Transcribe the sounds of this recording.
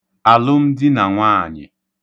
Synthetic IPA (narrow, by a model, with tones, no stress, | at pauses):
a˨lʊ˦m̩˦dɪ˦na˨ŋʷaː˦˨ɲɪ̰˨